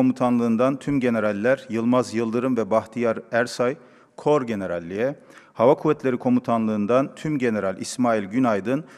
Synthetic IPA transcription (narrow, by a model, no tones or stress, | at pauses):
omut̪ʰanlˠɯːnd̪ant̪ʰymɟe̞ne̞ɾalʲːæɾjɯlˠmazjɯlˠd̪ɯɾɯmvɛbaxt̪ʰijaɾæɾsaj | kʰo̞ɾɟe̞ne̞ɾalʲːijɛ | havakʰuvɛt̪ʰlʲe̞ɾikʰo̞mut̪ʰanlˠɯːnd̪ant̪ʰymɟe̞ne̞ɾalʲʔismaːilʲɟynajd̪ɯn